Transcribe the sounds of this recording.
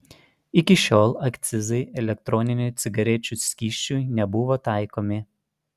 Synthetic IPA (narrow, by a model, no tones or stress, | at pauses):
ɪkʲɪʃʲoːlˠɐkʲt̪sʲɪzɐɪɛlʲɛk̚t̪ɾɔnʲɪnʲut̪sʲɪɡɐɾʲɛt͡ʃʲusʲkʲiːʃʲt͡ʃʲunʲɛbʊʋoːt̪ɑˑɪkoːmʲɪ